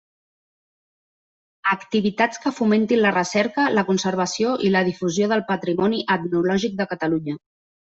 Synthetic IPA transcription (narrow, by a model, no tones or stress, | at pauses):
əkt̪iβit̪at͡skəfument̪inlərəsɛɾkələkunsəɾβ̞əsioʔiləð̞ifuzjoðəlˠpət̪ɾimɔniʔət̪nulɔʒik̚d̪əkət̪əluɲə